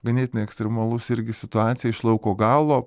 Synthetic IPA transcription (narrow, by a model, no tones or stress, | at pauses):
ɡɐnʲeːt̪ʲɪnʲeɛksʲt̪ʲɾʲɛmɐlˠʊsɪɾʲɡʲɪsʲɪt̪ʊɑːt̪sʲɪjɛɪʃlˠɐʊkoːɡɑːlˠoː